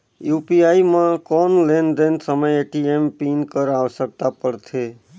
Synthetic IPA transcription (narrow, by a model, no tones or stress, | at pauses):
jupiaimãkɔnlend̪ensəməjeʈiempinkəɾaʋsək̚t̪apəɾt̪ʰe